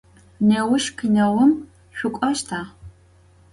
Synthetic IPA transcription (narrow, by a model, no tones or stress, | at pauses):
newʊʃkʰɨnɐʁʷʊm | ʃʷʊkʷʼɐʃtʰaː